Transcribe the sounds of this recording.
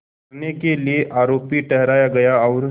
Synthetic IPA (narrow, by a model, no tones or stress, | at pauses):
nekelieʔaːɾoːpiʈɛɦɾaːjaɡɐjaɔːɾ